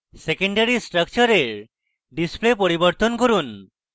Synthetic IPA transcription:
sekeɳɖaɾisʈɾək̚t͡ʃɔɾeɾ | ɖisplepoɾibɔɾt̪ɔnkoɾun

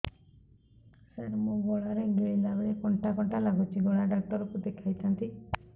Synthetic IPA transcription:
saɾmũɡɔɭaɾeɡeɭilabɭekɔɳʈakɔɳʈalaɡut͡ʃʰiɡɔɭaɖak̚ʈ̪ɔɾɔkud̪ekʰajt̪ʰant̪i

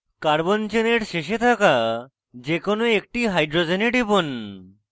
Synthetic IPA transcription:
kaɾbont͡ɕeneɾʃeʃet̪ʰaka | d͡ʑekonoek̚ʈiɦajɖɾod͡ʑeneʈipon

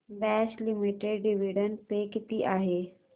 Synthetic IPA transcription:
bɛslimiʈeɖɖiʋiɽənpekit̪iːʔaɦe

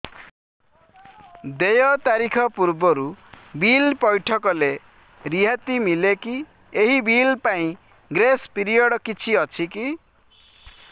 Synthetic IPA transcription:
d̪ejɔt̪aɾikʰɔpuɾbɔɾubilpɔjʈʰɔkɔle | ɾiɦat̪imileki | eɦibilpaĩ | ɡɾespiɾijɔɽkit͡ʃʰiʌt͡ʃʰiki

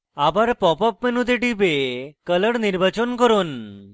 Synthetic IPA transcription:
abaɾpɔpɔpmenud̪eʈipekələɽniɾbat͡ɕonkɔɾon

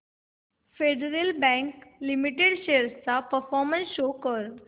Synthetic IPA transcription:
feɖəɾelbɛ̃ŋklimiʈeɽɕeɾst͡sapəɾfɔɾmənsɕokəɾ

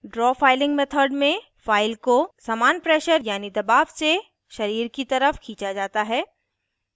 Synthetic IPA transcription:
ɖɾɔːfaːɪlɪ̃ŋɡmet̪ʰəɾɖmẽ | faːɪlkosaːmaːnpɾɛːʃəɾjaːnid̪ɐbaːʋse | ʃɐɾiːɾkit̪ɐɾəfkʰĩːt͡ʃad͡ʒaːt̪aɦɛː

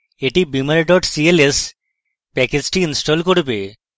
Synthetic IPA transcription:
eʈibimaɾeɖɔʈsieles | pɛked͡ʑʈiinsʈolkoɽbe

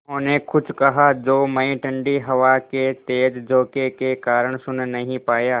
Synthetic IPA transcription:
ɦõːnekʰʊd͡ʒʰʱkɐɦad͡ʒoːmɐĩʈɐ̃ɳɖiɦɐʋaket̪eːd͡ʒd͡ʒʱoːkekekaːɾəɽ̃sʊnnɐɦĩpaːjaː

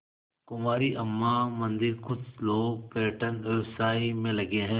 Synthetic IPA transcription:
kʊmaːɾiʔɐmːamɐ̃nd̪ɪɾkʊd̪loːɡ̚peːʈənefsaːimẽlɐɡeɦɛ̃ː

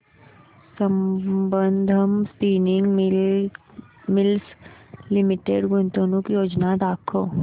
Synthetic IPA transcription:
səmbənd̪ʱəmspiːnɪŋɡ | mɪlslɪmɪʈeɖɡʊnt̪oːnũkijoːd͡ʒnad̪aːkʰoː

